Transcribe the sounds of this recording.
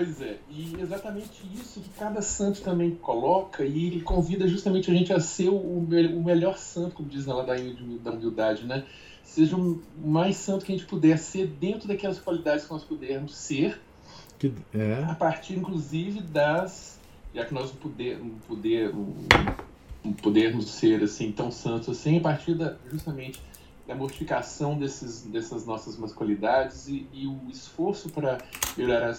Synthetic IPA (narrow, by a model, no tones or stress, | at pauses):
pojzɛɪezat̪ɐmẽt͡ʃɪisʊkɪkad̪ɐsɐ̃t̪ʊ̥t̪ɐ̃mbẽj̃kolɔkʰɐɪlɪkõvid̪ɐʒust̪ɐmẽnt͡ʃɪɐaʒẽnt͡ʃɪɐseɾʊʊmeʊmeʎɔɾsɐ̃t̪ʊkõmʊd͡ʒis̬nɛlad̪aid͡ʒumiwd̪ɐumiwd̪ad͡ʒɪnɛ | seʒɐʊmajsɐ̃nt̪ʊkɪɐʒẽt͡ʃɪpud̪ɛɾseɾd̪ẽnt̪ɾʊd̪akɛlɐskwalid̪ad͡ʒɪskɪnɔspud̪ɛɾmʊseɾ | kɪɛapaɾt͡ʃiɾĩkluzivɪd̪ɐs | ʒakɪnɔznɐ̃pod̪ɛñpod̪ɛɾ̃ | pod̪eɾmʊsːeɾasĩt̪ɐ̃w̃sɐ̃nt̪ʊzasĩɐpaɾt͡ʃiɾd̪ɐʒust̪ɐmẽnt͡ʃɪ̥ | d̪ɐmoɾt͡ʃifikasɐ̃w̃d̪ɛsɪzd̪ɛsɐznɔsɐzmɐskwalid̪ad͡ʒɪziːʊɪsfoɾsʊpɾɐmeoɾaɾa